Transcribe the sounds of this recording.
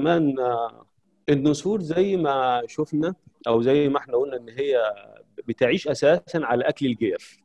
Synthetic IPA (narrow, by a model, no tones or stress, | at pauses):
mæːn | ʔenːosˤuːɾzæjːmæʃofnæʔæwzæjːmæʔeħnæʔuːlnæʔenːɦejːæbet̪ʕiːʃʔæsæːsænʕalæʔæklelɡeːf